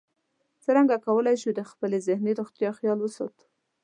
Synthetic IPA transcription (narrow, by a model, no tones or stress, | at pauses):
t͡səɾaŋɡakawəlajʃud̪əxpəlezɪhneɾoxt̪jɑxjɑlwəsot̪